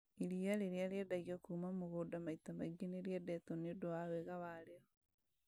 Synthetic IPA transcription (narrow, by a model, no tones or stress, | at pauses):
iɾiaɾeɾeaɾɛdaɣiɔkuːmamoɣodamaitamaiɡeneɾeɛdɛtɔnedoawɛɣawaɾeɔ